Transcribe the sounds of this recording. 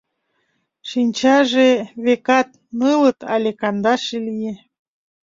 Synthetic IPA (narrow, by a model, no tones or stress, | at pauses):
ʃinʲt͡ɕɑʒeβekɑt̪̚ | nɯlɤt̪ʰɑ̰lʲekɑnd̪ɑʃelije